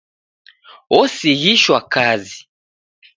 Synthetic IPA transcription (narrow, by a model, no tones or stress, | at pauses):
ɔsiɣiʃwakazi